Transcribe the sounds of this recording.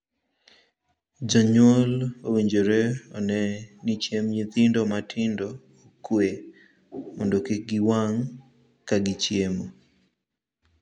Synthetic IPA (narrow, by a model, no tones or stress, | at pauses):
d͡ʒaɲolowiɲd͡ʒoɾeɔnɛnit͡ʃemɲit̪ɪndɔmatʰɪndɔː | kwe | mɔndokɪɡɪwaŋ | kaɡɪt͡ʃjemo